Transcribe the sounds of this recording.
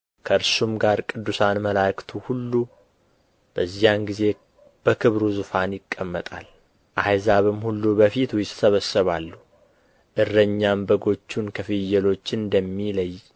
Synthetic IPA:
kʰəɨɾsumɡaɾkʼɨd̪ːusanməlakt̪ʰuhulːu | b̥əzːijanɡize̞ | b̥əkʰɨβɾuzɨfanjɪkʼːəmːət̪ʼa̰l | ʔajzaβɨmhulːubəfit̪wjɪssəβəsːəβalːu | ʔɨrːəɲːambəɡo̞t͡ʃːunkʰəfɨjːɛlo̞t͡ʃːɪnd̪əmːiləj

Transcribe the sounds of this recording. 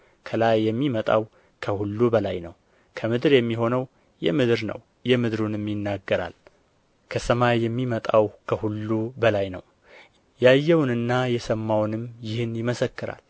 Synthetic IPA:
kʰəlajːɛmːimət̪ʼa̰w | kʰəhulːubəlajnəw | kʰəmɨd̪ɾjɛmːiɦo̞nəw | jɛmɨd̪ɾnə̰w | jɛmɨd̪ɾunɨmːjɪnːaɡːəɾa̰l | kʰəsəmajːɛmːimət̪ʼawkʰəhulːubəlajnə̰w | jajːɛwnɨnːajɛsəmːawnɨmjɪhɨnjɪməsəkːɨɾa̰l

